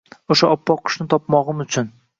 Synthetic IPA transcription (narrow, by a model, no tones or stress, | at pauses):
oʃaɒpːɒqʰːʊ̥ʃnɪt̪ʰɒpmɒʁɨmʊt͡ʃʰʊn